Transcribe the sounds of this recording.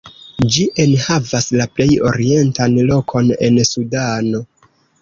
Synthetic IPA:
d͡ʒiʔenhavaslaple̞jo̞̰ɾie̞ntanlo̞kʰo̞ne̞̰nsudano̞

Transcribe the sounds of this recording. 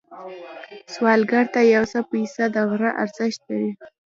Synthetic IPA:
swɑlɡaɾt̪ajawsapəisad̪aɣɾaʔa̰ɾz̥ɪʃt̪̚laɾi

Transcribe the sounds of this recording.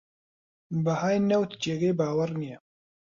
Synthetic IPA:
bɐhaːjnɛwt̪d͡ʒeːɡɐjbaːwɐɾnijɛ

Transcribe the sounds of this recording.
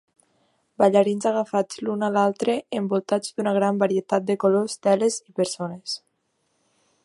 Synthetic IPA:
baʎaɾinzaɣ̞afad͡zlunalalˠt̪ɾeembolˠt̪ad͡zd̪unaɣ̞ɾambaɾiet̪at̪̚d̪ekolozt̪ɛlezipeɾsones

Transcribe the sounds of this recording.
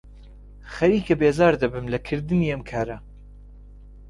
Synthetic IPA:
xɐɾiːkʰɐbeːzɑːɾd̪ɐbɨmlɐkʰɨɾd̪ɨniːɐmkʰaːɾɐ

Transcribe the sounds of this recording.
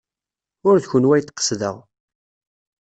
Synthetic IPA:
ʊɾðçʊnwæjt̪ːqːə̥sðə̰ʁ

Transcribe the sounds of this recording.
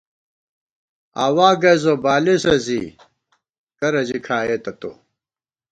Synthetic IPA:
a̰ːwaːɡɐzobaːlisɐzḭ | kɐɾɐd͡ʑikʰaːeːt̪ɐt̪o̰ː

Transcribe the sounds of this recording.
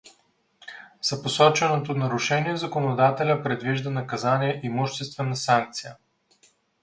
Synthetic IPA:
zɐposɔt͡ʃɛnot̪onɐɾuʃɛniɛzɐkonod̪at̪ɛlʲəpɾɛd̪viʒd̪ənɐkɐzaniɛʔimuʃt̪ɛst̪vɛnɐsaŋk̚t̪sijə

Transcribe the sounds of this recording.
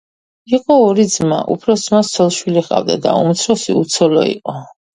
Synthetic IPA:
iqʼɔːɾid̪zma̰ʔṵpʰɾɔsd̪zmast̪sʰɔlˠʃwiliχʼa̰vd̪ad̪a̰ṵmt̪sʰɾɔsiut̪sʰɔlɔḭqʼɔ

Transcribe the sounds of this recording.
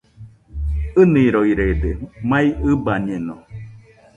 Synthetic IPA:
ɨnĩːɾoiɾeːd̪emãiɨbaɲeno

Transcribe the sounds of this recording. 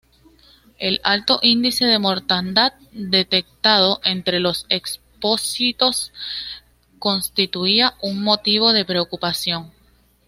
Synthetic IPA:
e̞lalt̪o̞ʔind̪ise̞ðe̞mo̞ɾt̪and̪at̪̚d̪e̞t̪e̞k̚t̪að̞o̞ʔe̞nt̪ɾe̞lo̞se̞ks | po̞sit̪o̞s | ko̞nst̪it̪uiaʔuŋmo̞t̪iβ̞o̞ðe̞pɾe̞okupasjo̞ŋ

